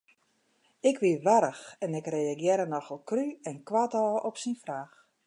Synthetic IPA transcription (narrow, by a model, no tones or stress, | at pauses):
ɪkʋiʋaɾəxɛnɪkrejaɡjɪɾənɔxəlˠkryɛnkwatɔːɔpsinfraːx